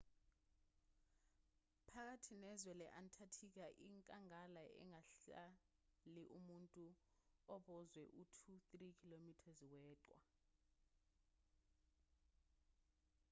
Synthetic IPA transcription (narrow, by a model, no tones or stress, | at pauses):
pʰak̬atʰinɛzwɛlɛʔantʰatʰik̬aʔiŋkʼaŋalaʔɛ̰ŋaɬa | liʔumuntʼuɔɓɔzwɛʔutʰuθrikʰilomitʰazwɛːǃwa̰